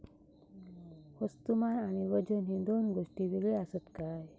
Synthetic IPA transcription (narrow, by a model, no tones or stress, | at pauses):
həst̪umanaɽ̃iʋəd͡ʑənɦid̪onɡoʂʈiʋeɡɭeasət̪kaj